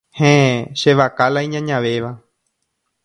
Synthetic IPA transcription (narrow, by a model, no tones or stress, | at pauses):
hẽʃeʋakalajɲãɲãʋeʋa